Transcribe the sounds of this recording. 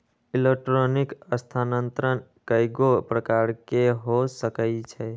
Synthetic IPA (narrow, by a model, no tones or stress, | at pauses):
ilek̚ʈɾonikəst̪ʰanənt̪ɾən | kəjɡopɾəkaɾkeɦosəkəɪt͡ʃʰɛ